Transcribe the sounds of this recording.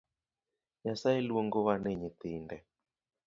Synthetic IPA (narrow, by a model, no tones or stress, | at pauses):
ɲasaeluoŋɡowanɛɲet̪indɛ